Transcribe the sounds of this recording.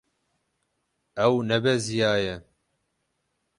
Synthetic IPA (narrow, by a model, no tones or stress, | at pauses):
ɛwnɛbɛzijaːjɛ